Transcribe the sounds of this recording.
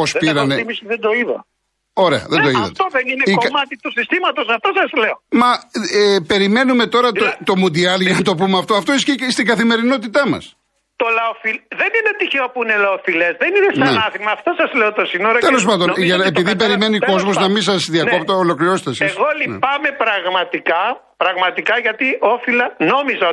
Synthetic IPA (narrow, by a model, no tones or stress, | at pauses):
po̞spiɾɐnneimisðed̪oiðɐ̰ | o̞ɾe̞ɐ̰ðend̪o̞iðɐ̰ft̪eoðeninekokmɐt̪it̪usist̪imɐt̪osɐft̪o̞sɐzle̞omɐepe̞ɾime̞nume̞t̪o̞ɾɐt̪ot̪o̞mund̪iɐlʝɐnɐt̪o̞pumeɐft̪oɐft̪oisist̪iɡɐθime̞ɾino̞t̪it̪ɐmɐ̰s | t̪o̞lɐofilðe̞ninet̪içeopuine̞lɐofilezðeninest̪ɐnenɐθimɐːft̪o̞sɐzleot̪osinoɾot̪elo̞s̬pɐnd̪oʝɐepiðipe̞ɾime̞niko̞zmoznɐmins̬ɐsðiɐkopt̪oolo̞kliɾo̞set̪esisɣolin̰pɐme̞pɾɐɣmɐt̪ikɐ | pɾɐɣmɐt̪ikɐʝɐt̪iʔo̞filɐno̞mizɐ